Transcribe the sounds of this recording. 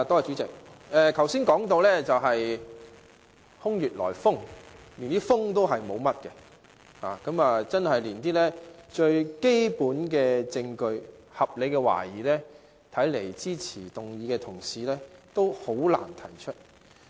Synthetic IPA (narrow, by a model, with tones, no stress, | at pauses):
t̪ɔː˥a˨t͡ʃyː˨˥t͡sɪ˨k̚ʔɛː˨k̪ʰɐ˨˩wsiː˥nkɔː˨˥ŋt̪o˧wlɛː˥t͡sɐ˨wɦɐ˨j | hʊ˥ŋjyː˨t̚lɔ̰ː˨˩jfʊ˥ŋliː˨˩nt̪iː˥fʊ˥ŋt̪o˥wɦɐ˨jmo˨˧wmɐ˥t̚kɛ˧ | ha̰ː˨˩kɐ˨˥mɐː˨t͡sɐ˥nhɐ˨jliː˨˩nt̪iː˥lɛː˥t͡ʃɵ˧ɥke˥jpuː˨˥nkɛː˧t͡sɪ˧ŋkɵ˧ɥhɐ˨p̚le˨˧jkɛ˧wa̰ː˨˩jiː˨˩lɛː˥ | t̪ʰɐ˨˥jle˨˩jt͡siː˥t͡sʰiː˨˩t̪ʊ˨˩ŋjiː˨˧kɛː˧t̪ʰʊ˨˩ŋsiː˨lɛː˥t̪o˥who˨˥wla̰ː˨˩nt̪ʰɐ̰˨˩jt͡ʃʰɵ˥t̚